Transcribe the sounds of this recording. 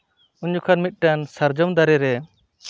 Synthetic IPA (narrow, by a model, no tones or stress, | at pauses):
uɲd͡ʒukʰanmit̪̚ˀʈansəɾd͡ʒɔmd̪aɾɛɾɛ